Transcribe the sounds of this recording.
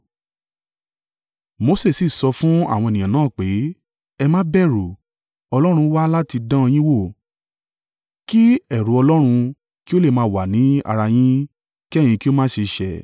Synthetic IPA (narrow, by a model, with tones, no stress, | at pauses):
mo˨˧˦se˦˨si˨sɔ˧fũ˦a̰˦˨w̃ɔ̃˧e˨nĩ˨ã˨nãː˦˨k͡pe˨˦ | ɛ˧mãː˦bɛ˦˨ɾu˨ | ɔ˧lɔ˦ɾ̃ũ˧˦wa˦la˦ti˧dã˦˧j̃ĩ˦wo˦˨ | ki˦ɛ˨ɾu˨˦ɔ˧lɔ˦ɾ̃ũ˧ | ki˦o˦le˦˨mãː˨˦˨wa˨nĩ˨˦a̰˧ɾa˧j̃ĩ˦ | ki˦ɛ˦˨j̃ĩ˧ki˦o˦mãː˦ʃe˧ʃɛ˨